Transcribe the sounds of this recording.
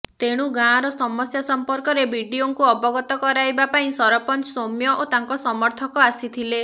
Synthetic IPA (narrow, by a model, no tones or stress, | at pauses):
t̪eɽ̃uɡãɾɔsɔmɔsjasɔmpɔɾkɔɾebʱiɖioŋkuɔbɔɡɔt̪ɔkɔɾajbapaĩsɔɾɔpɔnsomjɔʔot̪aŋkɔsɔmɔɾt̪ʰɔkɔasit̪ʰile